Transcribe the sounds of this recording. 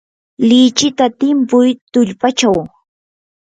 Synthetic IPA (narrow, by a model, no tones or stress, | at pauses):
lɪt͡ʃɪt̪at̪ɪmpʊjt̪ʊʎpat͡ʃaw